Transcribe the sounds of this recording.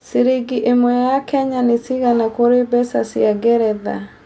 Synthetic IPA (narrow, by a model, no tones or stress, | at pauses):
seɾeɡiʔemwɔjjakɛɲanesiɣanakoɾebɛsasiaɡɛɾɛða̰